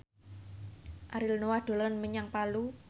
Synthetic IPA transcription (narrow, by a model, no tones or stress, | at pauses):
ʔaɾilnowad̪̥o̤lɔnməɲaŋpalu